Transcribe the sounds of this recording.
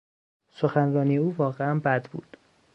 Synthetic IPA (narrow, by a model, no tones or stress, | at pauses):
soxænɾɒːnijeuːvɒːɣeænbæd̪bṵːd̪̥